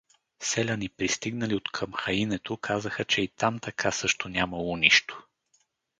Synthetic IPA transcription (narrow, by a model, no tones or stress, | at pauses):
sɛlʲənipɾist̪iɡnəliot̪kʰəmxɐinɛt̪okʰazəxət͡ʃɛit̪amt̪ɐkʰasɤʃt̪onʲamɐlˠoniʃt̪o̥